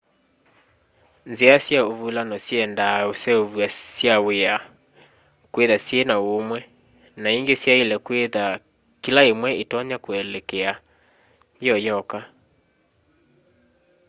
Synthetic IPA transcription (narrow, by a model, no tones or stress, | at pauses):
nzeasjaovulanɔsjɛndaosɛovuasjawea | kweðasjenaomwɛ | naiŋɡesjaelɛkweða | kilaemwɛetɔɲakwɛlɛkɛa | ɔjɔka